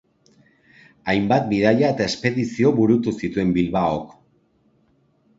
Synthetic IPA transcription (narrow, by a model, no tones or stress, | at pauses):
ajmbat̪̚bið̞aʎaet̪ae̞spe̞ðisio̞βuɾut̪usit̪ue̞mbilβaok